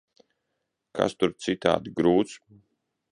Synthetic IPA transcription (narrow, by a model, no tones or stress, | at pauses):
kʰa̰st̪uɾt̪sit̪a̰ːd̪ɡɾuːt̪s